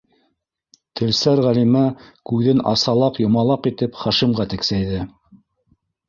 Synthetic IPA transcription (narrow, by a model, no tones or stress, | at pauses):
t̪ʰɘ̆lsæɾʁælimækʉðɘnɑ̰sɑlˠɑqjŏmɑlˠɑqit̪ɘpχɑʃimʁɑt̪ɘ̆ksæjðɘ